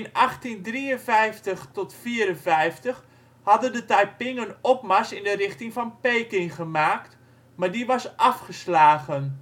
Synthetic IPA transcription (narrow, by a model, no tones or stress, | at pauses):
ɪnʔaχtindriənvɛjftəxtɔtfiːəɾənvɛjftəx | hɑdəndətajpɪŋənɔpmasɪndərɪxtɪŋfɑnpejkɪŋχəmaːkt | mardiʋɑsʔɑfχəslaːɣən